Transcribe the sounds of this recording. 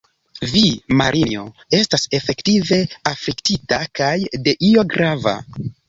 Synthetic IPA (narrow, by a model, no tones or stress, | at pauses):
vima̰ɾʔinio̞̰ | e̞stase̞fe̞ktive̞afliktitakajde̞ʔio̞ɡɾava̰